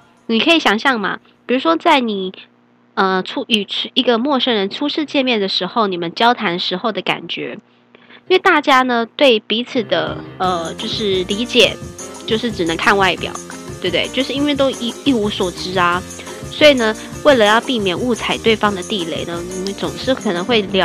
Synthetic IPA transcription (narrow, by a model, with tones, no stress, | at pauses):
ni˨˩kʰɤ˧˥i˨˧˩ɕjɑ˨˧˩ŋɕjɑ˥˩ŋmɐ̰˩ | pi˨˩ɻu˧˥ʂwɔ˥t͡sa˥˩ɪni˨˩ | ə˧ʈ͡ʂʰu˥ʔy˨˩˥i˧˥ɡə˧mwɔ˥˧ʂə˥ŋɻə˧˥nʈ͡ʂʰu˥ʂɻ̩˥˧t͡ɕjɛ˥˧nmjɛ˥˩nd̪ə˩ʂɻ̩˧˥xo˥˧ʊni˨˩mə˦nt͡ɕjɑ˥ʊt̪ʰa˧˥nʂɻ̩˧˥xo˧ʊd̪ə˩ka̰˨˩nt͡ɕɥɛ̰˧˥ | i˥nwe˥˧ɪt̪a˥˩t͡ɕja˥nə˧t̪we˥˩ɪpi˧˥t͡sʰɹ̩˨˩d̪ə˦ə˧t͡ɕjo˥˧ʊʂɻ̩˥˩li˧˥t͡ɕjɛ̰˨˩˦t͡ɕjo˥˧ʊʂɻ̩˥˩ʈ͡ʂɻ̩˨˩nɤ˧˥ŋkʰa˥˧nwa˥˩ɪpjɑ̰˨˩˦ʊ | t̪we˥˧ɪt̪we˥˩ɪt͡ɕjo˥˧ʊʂɻ̩˥˧i˥nwe˥˧ɪt̪o˥ʊ˥˧i˥˩u˧˥swɔ˨˩ʈ͡ʂɻ̩˥ɐ˧ | swɔ˧˥i˨˩nə˦ | we˥˩ɪlə˩˧jɑ˥˧ʊpi˥˩mjɛ˨˩nu˥˩t͡sʰa˨˩ɪt̪we˥˩ɪfɑ˥ŋd̪ə˨t̪i˥˧le˥˩ɪnə˦ni˨˩mə˦nt͡sʊ˨˩ŋʂɻ̩˥˩kʰɤ˨˩nɤ˧˥ŋxwe˥˩ɪljɑ˧˥